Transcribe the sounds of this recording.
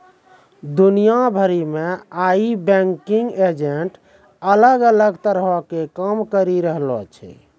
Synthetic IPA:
d̪unijabʱəɾimeaibɛŋkiŋɡed͡ʒeʈ | ələɡələɡt̪əɾɦɔkekəmkəɾiɾəɦlɔ̰t͡ʃʰɛ̰

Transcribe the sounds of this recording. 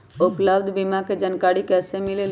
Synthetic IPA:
okləbd̪ʱbimaked͡ʒənkaːɽikɛːsemɪlel

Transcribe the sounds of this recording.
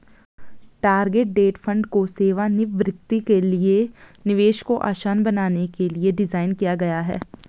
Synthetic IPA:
ʈaːɾɡeʈ̚ɖeːʈfʰɐ̃ɳɖkoseːʋanɪʋɾɪt̪ːikelienɪʋeːʃkoʔa̰ːʃaːnbɐnaːnekelieɖɪzaːɪnkijaɡɐjaɦɛ̰ː

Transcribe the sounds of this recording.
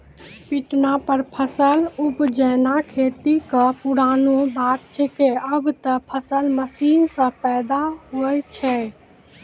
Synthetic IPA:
piʈnapəɾpʰəsəlupd͡ʒɛnakʰet̪ikəpuɽanobat̪̚t͡ʃʰɛkeəbt̪əpʰəsəlməsinsə̃pɛːd̪aɦojt͡ʃʰɛ

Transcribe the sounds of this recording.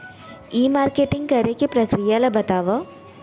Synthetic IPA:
iːmaːɾkeʈːɪŋkɐɾɐkːɯpɾɐkɾijalɐbɐt̪aːʋɐ

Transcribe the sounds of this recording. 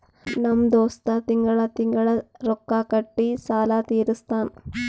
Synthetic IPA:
nɐmd̪oːst̪at̪iŋɡɐɭɐt̪iŋɡɐɭɐɾokːaːkɐʈːisaːlaːt̪iːɾust̪ʰaːn

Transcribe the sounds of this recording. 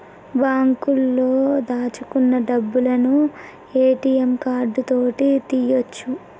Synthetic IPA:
baːŋkulːo̞ːd̪aːt͡ʃukunːɐɖɐbːulɐnu | eːʈiːjemkaːɾɖut̪o̞ːʈit̪ijot͡ʃːu

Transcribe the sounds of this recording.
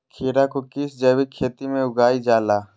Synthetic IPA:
kʰeːɾakokɪsd͡ʒɛːbikʰeːt̪imẽʊɡaːid͡ʒaːlaː

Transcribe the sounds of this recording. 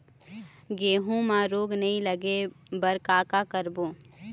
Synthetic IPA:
ɡeːɦũmãɾoːɡnɐɦĩləɡe | bɐɾkaːkakəɾboː

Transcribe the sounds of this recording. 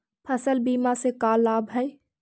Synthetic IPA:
pʰəsəlbiːmasekaːlːaːbɦɛj

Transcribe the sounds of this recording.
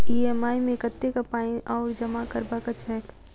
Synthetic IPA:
iːɛmaːimẽkət̪ːekapaːĩʔɔːɾd͡ʒəmakəɾbakət͡ʃʰɦɛːk

